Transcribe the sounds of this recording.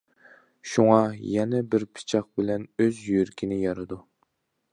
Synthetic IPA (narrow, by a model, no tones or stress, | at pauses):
ʃuŋɑjɛnɛbɪɾpʰɨ̥t͡ʃʰɑq̚bɪlɛnøzjyɾkʲʰinɪjɑɾɨd̪u